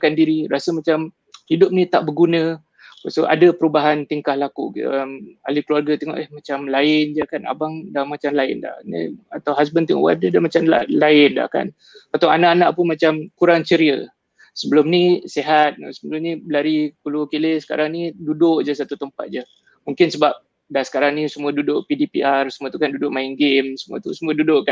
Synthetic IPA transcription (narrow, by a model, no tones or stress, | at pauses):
kandiɾiɾasəmat͡ʃam | hidʊp̚nĩt̪aʔbəɡunə̃ | wasoʔa̰dəpəɾubaɦant̪iŋkahlakuəma̰likluarɡat̪eŋɔ̰ʔəhmat͡ʃamlaɪnd͡ʒəkana̰baŋdamat͡ʃamlaɪnda̰hnḭat̪awɦas̬bənt̪ɛŋɔ̰ʔwa̰dədamat͡ʃamalaɪnda̰hka̰n | pat̪ɔŋanaʔanaʔpʊnmat͡ʃamkuɾaŋt͡ʃəɾiə | səbəlʊmniseɦat̪̚səbəlʊmnibəlaɾikulukilesə̥ka̰ɾaŋnidudʊʔd͡ʒəs̬at̪ut̪əmpa̰t̪̚d͡ʒə | muŋkɪnsəbap̚ | dahsə̥kaɾaŋnisumuədudʊʔpidipḭʔarsəmuət̪ukandudʊʔmaɪnɡɪmsəmuə̰t̪usəmũədudʊʔkan